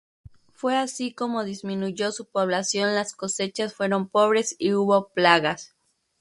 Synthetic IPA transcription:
fwe̞asiko̞mo̞ðizmĩnuʝo̞supo̞βlasjo̞nlasko̞se̞t͡ʃasfwe̞ɾo̞mpo̞β̞ɾe̞siuβo̞plaɣas

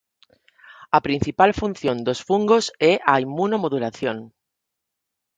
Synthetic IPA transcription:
apɾin̟θipalfun̟θjõnd̪osfuŋɡosɛʔaimːunomoðulaθjoŋ

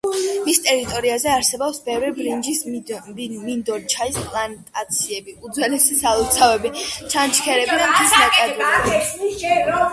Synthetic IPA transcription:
mist̪ʼɛɾit̪ʼɔɾiazɛaɾsɛbɔpsbɛvɾibɾind͡ʒis | mind̪ɔɾt͡ʃʰaispʼlˠant̪ʼat̪sʰiɛbiud̪zwɛlɛsisalˠɔt̪sʰavɛbit͡ʃʰant͡ʃʰkʰɛɾɛbid̪amt̪ʰismakʼaɡ̪ɛ

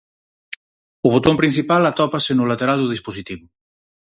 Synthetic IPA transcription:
oβ̞ot̪ompɾin̟θipalat̪ɔpasenulat̪eɾald̪uð̞isposit̪iβu

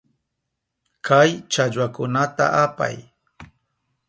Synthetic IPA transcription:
kʰajt͡ʃaʎwakʊnat̪a̰ʔapa̰j

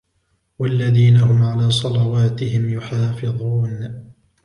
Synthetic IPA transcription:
walːaðiːnaɦʊmʕalaːsˤɑlɑwaːt̪ɪhɪmjʊħaːfɪðˤuːn

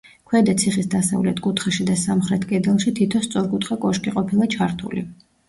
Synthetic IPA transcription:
kʰwɛd̪at̪sʰiχisd̪asa̰vlɛt̪ʰkʼut̪ʰχɛʃid̪asamχɾɛt̪ʰkʼɛd̪ɛlˠʃit̪ʰit̪ʰɔst̪sʼɔɾkʼut̪ʰχakʼɔʃkʼiqʼɔpʰilˠat͡ʃʰaɾt̪ʰṵlḭ

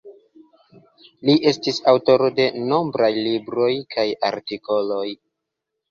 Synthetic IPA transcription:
liʔe̞stisawto̞ɾo̞de̞no̞mbɾajlibɾo̞jkʰaja̰ɾtiko̞lo̞j

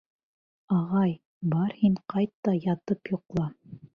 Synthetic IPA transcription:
ɑʁɑj | bɑɾhiɴqɑjt̪ːɑjɑt̪ɤpjŏqlˠɑ

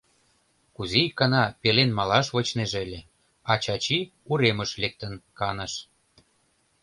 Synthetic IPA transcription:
kuzeikːɑnɑpelenmɑlɑʃβot͡ɕneʒelʲe | ɑt͡ɕɑt͡ɕiuɾeməʃlek̚t̪ənkɑnə̆ʃ

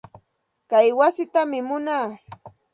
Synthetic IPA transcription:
kajwasɪt̪amɪmʊnaː

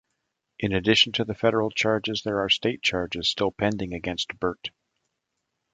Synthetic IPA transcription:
ʔɨ̃nɨdɪʃn̩tʰɨðɨfɛɾə˞l̩ˠt͡ʃʰɑɹd͡ʒɨzðə˞ːsteɪt̚t͡ʃʰɑɹd͡ʒɨz̥stɪlˠpʰɛ̃ndɪ̃ŋɨɡɛ̃nst̚b̥ɜ˞t

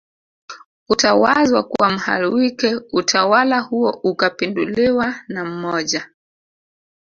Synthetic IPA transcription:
utawazwakuwam̩ha̰ɾiwikɛutʰawalahuɔʔukapinduliwanam̩mɔʄa

